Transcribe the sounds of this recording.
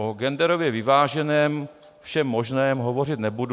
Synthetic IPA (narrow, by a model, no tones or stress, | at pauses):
oɡɛndɛɾovjɛvɪvaːʒɛnɛːm | fʃɛmːoʒnɛːmɦovo̞r̝ɪt̪nɛbud